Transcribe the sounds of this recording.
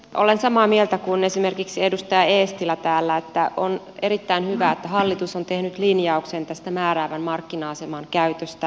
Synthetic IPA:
ʔo̰lensɑmɑːmielt̪ækunesime̞rkiksiedust̪ɑjɑeːst̪ilɑt̪æːlːæet̪ːæʔon | eɾit̪ːæinhyʋæːet̪ːæhɑlːit̪usont̪ehnyt̪linjɑuksent̪æst̪æmæːræːʋænmɑrkːinɑːsemɑnkæyt̪øst̪æ

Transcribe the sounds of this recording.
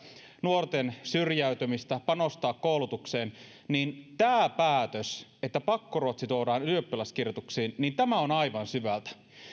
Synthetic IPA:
nuort̪ensyrjæyt̪ømist̪æpɑnost̪ɑːkkoulut̪ukseːn | nint̪æːpæːt̪øset̪ːæpɑkːoruot̪sit̪oːɾɑːnyøpːilæskirjot̪uksiːnnint̪æmæonɑiʋɑnsyʋælt̪æ̥

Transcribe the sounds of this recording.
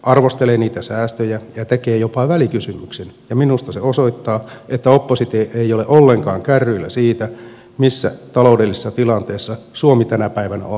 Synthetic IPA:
ʔɑrʋost̪eleːniːt̪æsæːst̪øjæjɑt̪ekeːjopɑʋælikysymyksenjɑminust̪ɑseosoit̪ːɑːet̪ːæopːosit̪eʔeijoleʔolːeŋkɑːŋkærːyilːæsiːt̪æ | misːæ̰t̪ɑloudelːise̥sːɑt̪ilɑnt̪eːsːɑsuomit̪ænæpæiʋænæ̰o

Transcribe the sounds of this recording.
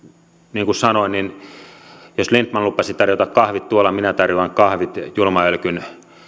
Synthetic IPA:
niːŋkussɑnoinnin | joslint̪mɑnlupːɑsit̪ɑrjot̪ɑkkɑhʋit̪t̪uolːɑminæt̪ɑrjoɑŋkɑhʋit̪julmɑølkyn

